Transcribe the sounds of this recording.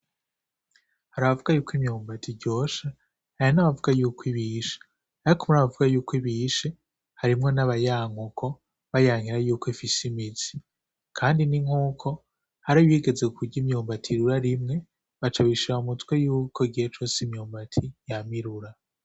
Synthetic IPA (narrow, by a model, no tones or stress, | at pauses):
haɾaβavuɡajuːkʰimɲoːmbatʰiɟo̞ːʃa | hajanaβavuɡajuːkʰwiβiʃe̥ | aɾikumunaβavuɡajuːkʰwiβiːʃe̞ | haɾimŋo̞naβajaːŋukʰo̞ | βajaŋiɾajuːkoifisimit͡si̥ | kʰaːndiniŋuːkʰo̞ | haɾiβiɡe̞zeukʰuɟɟimɲoːmbatʰiɾuɾaɾimŋe̞ | βat͡ʃaβiʃiɾaumutwe̞juːkʰoiɡihet͡ʃo̞ːsimɲoːmbatʰijamiɾuɾa